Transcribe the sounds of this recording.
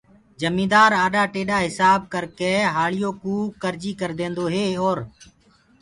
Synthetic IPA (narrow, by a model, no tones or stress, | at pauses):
d͡ʒəmĩːd̪aːɾaːɗaːʈeːɗaːɦɪsaːb̚kəɾkeːɦaːɭɪjoːkuːkəɾd͡ʒiːkəɾd̪ẽːnd̪oːɦeːoːɾ